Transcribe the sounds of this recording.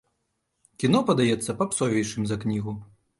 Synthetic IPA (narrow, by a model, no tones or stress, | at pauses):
kʲinɔpɐd̪ajɛt̪sːɐpɐpsɔvʲɛjʂɨmʲzɐknʲiɣu